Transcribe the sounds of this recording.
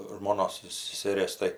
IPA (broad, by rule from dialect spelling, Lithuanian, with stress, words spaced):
ʒmoːˈnoːs sʲɛsʲɛˈrʲeːs tɐɪ